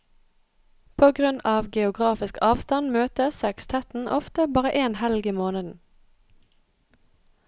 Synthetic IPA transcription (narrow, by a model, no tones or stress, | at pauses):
pʰoːɡʁʉnɑːʋɡɛʊɡʁɑːfɪskɑːʋst̪ɑnmøːt̪əsɛkst̪ʰɛt̪n̩ʔɔft̪əbɑːʁəʔeːnhɛlɡiːmoːnəd̪n̩